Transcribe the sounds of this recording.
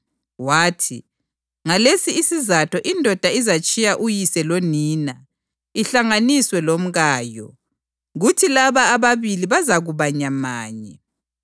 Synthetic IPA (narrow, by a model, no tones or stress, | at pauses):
waːtʰḭ | ŋalesiːsizatʰɔʔindʱɔd̥ʱaizat͡ʃʼijaʔujisɛloniːna | iɬaŋaniswɛlom̩ɣaːjɔ̰ | ɣutʰilaβaːβaβiliβazaɣuβaɲamaːɲɛ